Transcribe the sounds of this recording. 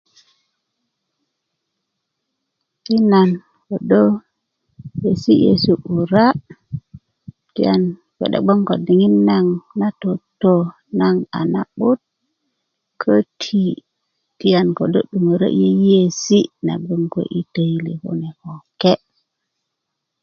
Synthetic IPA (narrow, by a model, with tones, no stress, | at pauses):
ti˦na˨n | kɔ˨do | je˨si˦jḛsuʔu˨ɾa˦ | ti˦jan | wɛ̰˨ɗa̰˨ɡ͡bɔ˦ŋkɔ˨di˨ŋi˦nːa˨ŋna˦tɔtːɔ | naŋa̰˨naɓu˦t̚ | kʰotʰi˨ | tijankɔ˨do̰˦ɗːu˨mo˨ɾo̰˦ʔe˦e˦si˦na̰˨ɡ͡bɔ˦ŋkɔ̰˨ʔi˦tejli˨hɔ̰˦nɛ˨hɔkɛ